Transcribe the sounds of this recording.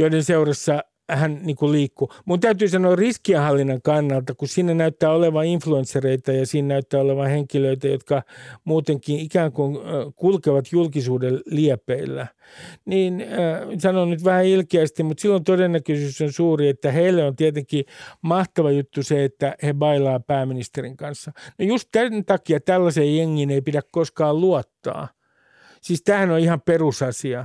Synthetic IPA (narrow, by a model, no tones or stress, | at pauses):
joidenseurɑsːɑ | hænniːŋkulliːkːumunt̪æyt̪yːsɑnoɑrriskiehɑlːinːɑŋkɑnːɑlt̪ɑkussinːenæyt̪ːæːoleʋɑiɱfluensereit̪æjɑsiːnnæyt̪ːæːoleʋɑheŋkiløit̪æjot̪kɑmuːt̪eŋkiikæːŋkuŋkulkeʋɑt̪julkisuːdelliɛpːˑeilːæ | niːnsɑnonnyt̪ʋæhæilkeæst̪immut̪silːont̪odenːækøsyːsonsuːriet̪ːæheilːeont̪iæt̪eŋkimɑht̪ɑʋɑjut̪ːuseet̪ːæheʋɑilɑːpæːmːinist̪eriŋkɑnsːɑnojust̪tænt̪ɑkiɑt̪ælːæseːjjeŋːiːneipidækkoskɑːlluɑt̪ːɑ̰ː | siːst̪æːhænoihɑmperusɑsiɑ